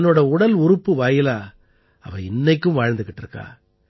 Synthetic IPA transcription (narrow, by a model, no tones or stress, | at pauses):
nːoːɽɐʊɽɐlʊɾʊpːɯʋaːjɪlaː | ɐʋɐɪnːɐɪkːɯmʋaːɻɐnd̪ɯkːɪʈːɪɾɯkːa̰ː